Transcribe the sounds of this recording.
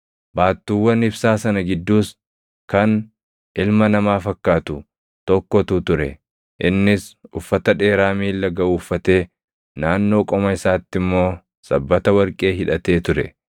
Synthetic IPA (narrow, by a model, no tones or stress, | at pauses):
baːt̪ːuwːɐnɪbsaːsɐnɐɡɪd̪ːuːs | kɐn | ʔɪlmɐnɐmaːfɐkːaːt̪ʊ | t̪ɔkːɔt̪ʊt̪ʊɾɛ̰ | ʔɪnːɪsʊfːɐt̪ɐᶑe̞ːɾaːmiːlːɐɡɐʔuːfːɐt̪e̞ː | naːnːo̞ːkʼɔmɐɪsaːt̪ːɪmːo̞ː | sɐbːɐt̪ɐwɐɾkʼe̞ːɦɪᶑɐt̪e̞ːt̪ʊɾɛ